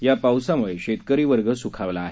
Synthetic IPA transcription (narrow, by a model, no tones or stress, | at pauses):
japawsamuɭeɕet̪kəɾiːʋəɾɡəsukʰaʋlaːɦe